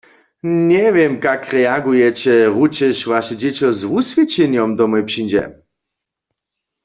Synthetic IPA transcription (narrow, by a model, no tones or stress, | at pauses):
ɲɛvjɛmkakʁɛaɡujɛt͡ɕɛʁut͡ʃɛʃvaʃɛd͡ʑɛt͡ɕɔzvusvʲjɛt͡ɕɛnjɔmd̪ɔmɔjpʂind͡ʑɛ̰